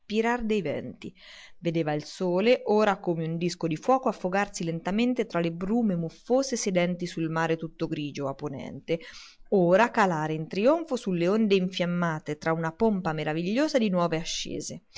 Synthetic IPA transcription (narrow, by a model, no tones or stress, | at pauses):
piɾard̪ejvɛ̰nt̪i | ved̪eːvailsoːleʔoːɾakomeund̪iskod̪ifwɔːkoafːoɡarsilent̪ament̪et̪ɾalebɾuːmemufːoːzesed̪ɛnt̪isulmaːɾet̪ut̪ːoɡɾiːd͡ʒoapːonɛ̰nt̪eoːɾakalaːɾeint̪ɾioɱfosulːeond̪eiɱfjamːaːt̪et̪ɾaunapompameɾaviʎːoːzad̪inwɔːveaʃːḛːze